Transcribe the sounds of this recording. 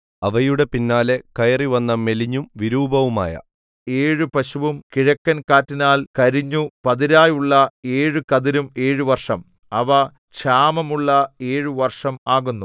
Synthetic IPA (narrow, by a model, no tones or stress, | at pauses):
ɐʋɐjuɽe̞pinːaːlekɐjɐriʋɐnːɐme̞liɲːumʋiɾuːbʱɐʋuma̰ːjɐ̰ | e̞ːɻɨpɐɕuʋumkiɻɐkːɐnkaːtːinaːlkɐɾiɲːupɐðiɾaːjuɭːɐe̞ːɻɨkɐðiɾume̞ːɻɨʋɐrʂɐm | ɐʋɐ | ɕaːmɐmuɭːɐe̞ːɻɨʋɐrʂɐmaːɣunːu